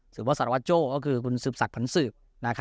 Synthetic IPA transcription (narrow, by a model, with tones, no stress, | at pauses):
sɯː˨˩pbɔː˧˥˩sa˨˩ɾwa˦˥t̪̚t͡ɕoː˥˩kɔː˥˩kʰɯː˧kʰu˧nsɯː˨˩p̚sa˨˩k̚pʰa˩˦˥nsɯː˨˩p̚ | na˦˥kʰ